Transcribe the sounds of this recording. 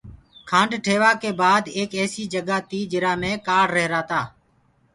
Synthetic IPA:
kʰãːɳɖʈʰeːʋaːkeːbaːd̪eːkɛːsiːd͡ʒəɡaːt̪iːd͡ʒɪɾaːmẽːkaːɽɾəɦɾaːt̪aː

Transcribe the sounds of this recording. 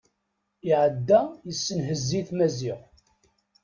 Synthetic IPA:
ɪʕəd̪ːæjəsːənɦəzːiθmæziʁ

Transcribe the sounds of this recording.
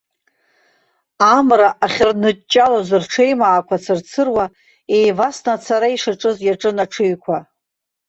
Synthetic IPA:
amraʔaχʲrnɨt͡ʃʼːalazɨrʈ͡ʂʰejmaːkʷʰat͡sʰɨrt͡sʰɨrwa | ejvasnat͡sʰaɾaiʂaʈ͡ʂʼɨzjaʈ͡ʂʼɨnaʈ͡ʂʰɨɥkʷʰa

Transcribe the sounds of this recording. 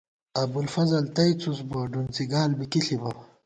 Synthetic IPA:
ɐbulfɐzɐlt̪ɐjt͡susbɐɖunt͡siɡaːlbikiɬibɐ

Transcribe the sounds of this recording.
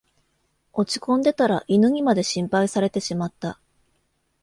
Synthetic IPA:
o̞t͡ɕi̥kõ̞nd̪e̞t̪aɾaʔinɯŋ̟imad̪e̞ɕĩmpaisaɾe̞t̪e̞ɕimat̪ːa

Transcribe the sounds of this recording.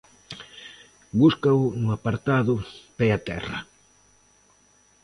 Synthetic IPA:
buskaʊnʊapaɾt̪aðʊpɛat̪ɛ̰rɐ̰

